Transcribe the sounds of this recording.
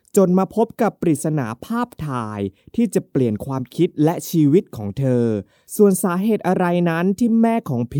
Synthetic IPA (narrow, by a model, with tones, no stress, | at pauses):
t͡ɕo˨nmaː˧pʰo˦˥p̚ka˨˩pːɾi˨˩t̪̚sa˧na̰ː˩˦pʰaː˥˩p̚t̪ʰaː˧jt̪ʰiː˥˩t͡ɕa˨˩pli˨˩ənkʰwaː˧mkʰi˦˥t̪̚lɛ˦˥ʔt͡ɕʰiː˧wi˦˥t̪̚kʰɔː˩˦ŋt̪ʰɤː˧ | su˨˩ənsaː˩˦ɦeː˨˩t̪̚ʔa˧ɾa˧jna˦˥nt̪ʰiː˥˩mɛː˥˩kʰɔː˩˦ŋpʰ